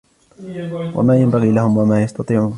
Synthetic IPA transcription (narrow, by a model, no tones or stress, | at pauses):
wa̰maːjambaɣiːlahʊmwamaːjɑst̪ɑt̪ˤiːʕː